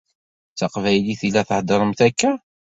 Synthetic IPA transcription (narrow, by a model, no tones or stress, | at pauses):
θt͡səqvæjliθilːæθəhd̪əɾˤəmθækːæ